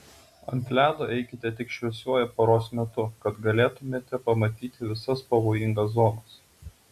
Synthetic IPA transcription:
ɐnʲt̪ʲlʲæːd̪oːʔɛɪkʲɪt̪ʲɛt̪ʲɪkʃʲʋʲɛsʲuɔjɛpoːɾoːsmʲɛt̪ʊkɐt̪ɡɐlʲeːt̪ʊmʲeːt̪ʲɛpɐmɐt̪ʲiːt̪ʲɪʋʲɪsɐspɐʋoːjɪŋɡɐs̬zɔːnɐs

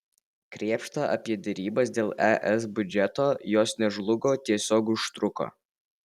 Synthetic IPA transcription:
kɾʲiɛpʃt̪ɐʔɐ̰pʲiɛd̪ʲɛɾʲiːbɐsd̪ʲeːlˠɛʔɛs̬bʲʊd͡ʒʲɛt̪oːjoːsnʲɛʒlˠʊɡoːt̪ʲiɛsʲoːkʊʃt̪ɾʊko̰ː

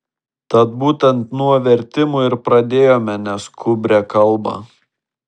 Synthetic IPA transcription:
t̪ɐt̪̚buːt̪ʲɛnt̪nuɔʋʲɛɾʲt̪ʲɪmʊɪɾpɾɐd̪ʲeːjoːmʲɛnʲɛskʰʊbʲɾʲɛkɐlˠbɑ̰

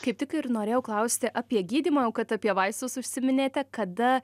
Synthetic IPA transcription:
kɐɪp̚t̪ʲɪkɪnoːɾʲeːjɛʊklˠɐʊsʲt̪ʲɪʔɐpʲiɛɡʲiːd̪ʲiːmɐːjɛʊkɐt̪ɐpʲiɛʋɐɪst̪ʊsʊʃʲsʲɪmʲɪnʲeːt̪ʲɛkɐd̪ɐ

